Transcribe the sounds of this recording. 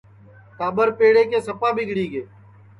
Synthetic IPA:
t̪aːbəɾpeːɽeːkeːsəpaːbɪɠɽiːɡeː

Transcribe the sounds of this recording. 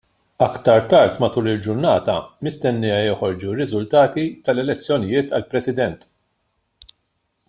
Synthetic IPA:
ɐkt̪ɐɾt̪ɐɾt̪mɐt̪uːlɪld͡ʒʊɾnɐːt̪ɐ̰mɪst̪ɛnːɪjɐjɔħɔɾd͡ʒurːɪzʊlt̪ɐːt̪it̪ɐlɛlɛt͡sːjɔnɪjɪːt̪ɐlpɾɛsɪd̪ɛnt̪

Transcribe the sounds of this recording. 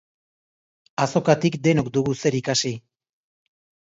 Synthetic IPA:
aso̞kat̪ikd̪e̞no̞k̚d̪uɣuse̞ɾikasi

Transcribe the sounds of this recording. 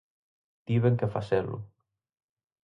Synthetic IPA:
t̪iβeŋkefaselṵ

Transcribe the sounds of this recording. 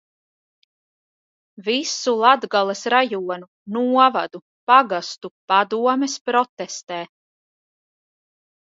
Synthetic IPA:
visulˠad̪ɡalˠesɾajuɔnu | nuɔvad̪u | paɡast̪upad̪uɔmɛspɾɔt̪ɛst̪ɛː

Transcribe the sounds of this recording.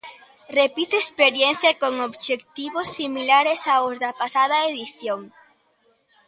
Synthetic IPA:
repit̪eespeɾjen̟θjɐkoŋoβʃekt̪iβosːimilaɾesaozðɐpasað̞ɐeðiθjoŋ

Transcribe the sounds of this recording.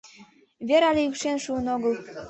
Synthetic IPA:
βʲeɾɑlʲeykʃenʃuənoɣə̆lˠ

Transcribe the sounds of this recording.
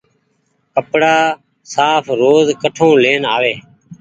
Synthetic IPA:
kəpɽaː | saːpʰɾoːzkəʈʰõːleːnaːʋeː

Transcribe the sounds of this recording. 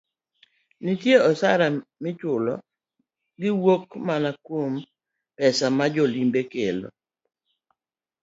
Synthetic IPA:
nɪtjeɔsaɾamɪt͡ʃʊlɔ | ɡɪwokmanakwom | pɛsamad͡ʒɔlimbekelo̰

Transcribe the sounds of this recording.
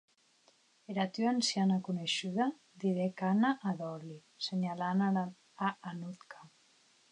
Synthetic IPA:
eɾat̪yansjanakuneʃuða | d̪iɾekanaʔːðɔli | seɲalana | aːnut̪kʰa

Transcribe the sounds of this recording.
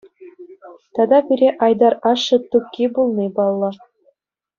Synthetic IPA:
t̪ɑd̪ɑbʲiɾʲeʔɑjd̪ɑrɑʂːɤ̆t̪up̚kʲːibulˠnʲibɑlˠːɤ̆

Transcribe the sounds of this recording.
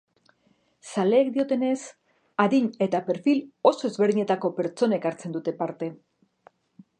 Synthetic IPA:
sale̞ːkd̪io̞t̪e̞ne̞s | aðiɲe̞t̪ape̞ɾfilo̞so̞ezβeɾðiɲe̞t̪ako̞pe̞ɾt͡ʃo̞naekaɾt͡se̞nd̪ut̪e̞paɾt̪e̞

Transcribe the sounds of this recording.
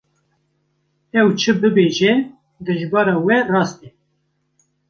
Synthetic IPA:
ɛwt͡ʃʰɨbɨbeːʒɛ | d̪ɨʒbɑːɾɑːwɛrɑːst̪ɛ

